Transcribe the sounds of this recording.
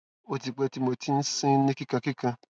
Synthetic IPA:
o˧ti˨k͡pɛ˧ti˦mo˧ti˦n̩˦sĩ˦nĩ˦ki˦kã˧ki˦kã˧

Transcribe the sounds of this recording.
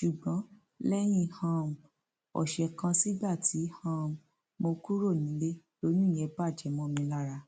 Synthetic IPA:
ʃu˨ɡ͡bɔ̃˨˦ | lɛ˦j̃ĩ˧hã˧m˨ | ɔ̰˨ʃɛ˧kã˧si˦ba˦˨ti˨˦hã˧m˨ | mo˧ku˦ɾo˦˨nĩ˨˦le˦lo˨˦nũ˦i˦˨jɛ˧ba˦˨d͡ʒɛ˨˦mɔ̃˧˦˧mĩ˧˦la˦˨ɾa˧

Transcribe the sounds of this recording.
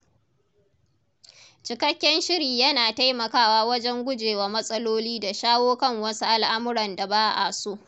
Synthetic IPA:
t͡ʃɪ˨kɐ˦kʲːɛ˦nʃɪ˦ɾiː˨jɐ˦naː˨ta˦jmɐ˨kaː˦waː˦wɐ˦d͡ʒɛ˦ŋɡʷʊ˦d͡ʒeː˨waː˨mɐ˦sʼɐ˦loː˦liː˦da˨ʃaː˦woː˦kɐ˦˨ŋwɐ˦su˦ʔa˦˨lʔa˦mʊ˦ɾɐ˨nda˨baː˦ʔa̰˨su˦ʔ

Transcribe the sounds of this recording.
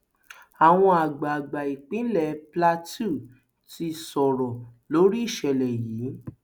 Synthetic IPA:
a˨w̃ɔ̃˧a˨ɡ͡ba˨ɡ͡ba˨i˨k͡pĩ˨˦lɛ˦˨pla˦tu˦˨ | ti˧sɔ˨ɾɔ˨lo˨˦ɾi˦i˦˨ʃɛ˧˨lɛ˨jiː˨˦

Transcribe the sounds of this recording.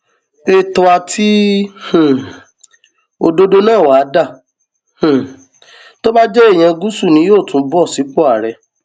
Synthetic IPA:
e˦˨tɔ˧a˧tʰi˦hũ˨ | o˧do˦do˦nãː˦˨waː˨˦da˦˨ | h̩˨ | to˦ba˦d͡ʒɛ˦e˦˨j̃ã˧ɡu˦su˦˨nĩ˨˦joː˦˨tũ˨˧˦bɔ˦˨si˨˦k͡pɔ˦a˦˨ɾɛ˧

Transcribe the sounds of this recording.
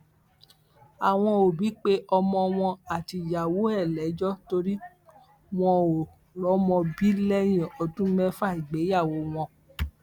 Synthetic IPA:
a˨w̃ɔ̃˧o˨bi˨˦k͡pe˦ʔɔ˧mɔ̃˧w̃ɔ̃˧a˨ti˧˨ja˨wo˨˦ɛ˦˨lɛ˨˦d͡ʒɔ˦to˧ɾi˦ | w̃ɔ̃˧o˨ | lɔ˨˦mɔ̃˧bi˦lɛ˦j̃ɛ̃˨ɔ˧dũ˦mɛ̃˦fa˦˨i˨ɡ͡be˨˦ja˦˨wo˨˦w̃ɔ̃˧

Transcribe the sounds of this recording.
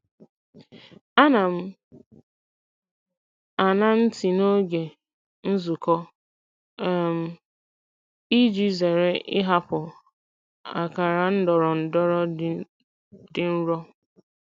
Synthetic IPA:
a˦na˨m̩˦ | a˨na˦n̩˦ti˨no˦ɡe˨ | n̩˦zu˨kɔ˦˨ | m̩˦ | i˦d͡ʒi˦ze˨ɾe˦ʔɪ˦ɦa˦pʊ˨ | a̰˨ka˨ɾa˨n̩˦dɔ˨ɾɔ˨n̩˨dɔ˦ɾɔ˦ | dɪ˦n̩˦ɾɔ˦

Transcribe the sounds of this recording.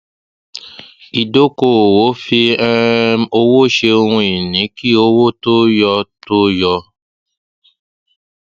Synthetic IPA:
i˨do˦ko˦˨wo˨˦fi˧ɛ˦o˧wo˦ʃe˧o˧ŋũ˦i˨nĩ˨˦ki˦o˦wo˦to˦jɔ˧to˦jɔ˧

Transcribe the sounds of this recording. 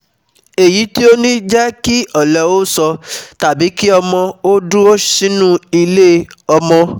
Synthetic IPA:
e˨ji˨˦ti˦o˦nĩ˦d͡ʒɛ˦ki˦ɔ˦˨lɛ˨o˦sɔ˧ta˨bi˨˦ki˦ɔ˧mɔ̃˧o˦du˦o˦ʃĩ˦nũ˦i˧le˦ɔ˧mɔ̃˧

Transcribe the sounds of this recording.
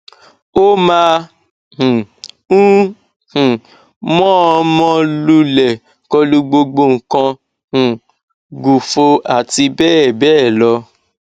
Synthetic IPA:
o˦mã˧˦ | h̩˨ | ũ˦ | hũ˨ | mɔ̃˦ɔ˧mɔ̃˧lu˧˦lɛ˨ | kɔ˧lu˦ɡ͡bo˧ɡ͡bo˧ŋ̩˨kã˧ | h̩˨ | ɡu˨fo˧a˨ti˧bɛ˦ɛ˨bɛ˦˨lɔ˧

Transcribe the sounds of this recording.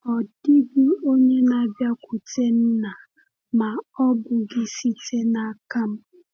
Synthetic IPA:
ɔ˨dɪ˦bɪ˦o˦ɲe˦na˨bja˦kʷʊ˨te˦m̩˦na˨ | ma˨ɔ˦bʊ˨ɡɪ˦si˦te˦na˦ka˦m̩˦

